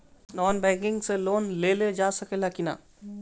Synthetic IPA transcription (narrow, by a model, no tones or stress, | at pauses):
nɔːnbɛ̃ŋkɪ̃ŋɡseloːnleled͡ʒaːsəkelakina̰